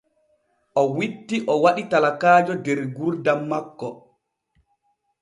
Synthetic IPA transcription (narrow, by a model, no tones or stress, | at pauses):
ʔɔwitːiʔɔwaɗitalakaːd͡ʒɔdɛɾɡuɾdamːakːɔ